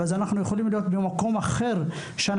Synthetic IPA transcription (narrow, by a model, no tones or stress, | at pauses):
azanaχnujeχolimlijo̞t̪bemako̞maχe̞ʁ | ʃean